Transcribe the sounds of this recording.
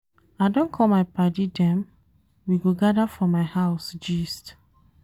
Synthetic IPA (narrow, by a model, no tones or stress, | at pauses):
aɪdõnkʰɔlmaɪpadidɛ̃m | wiɡoɡadafɹɔ̃mːaɪhaʊsd͡ʒist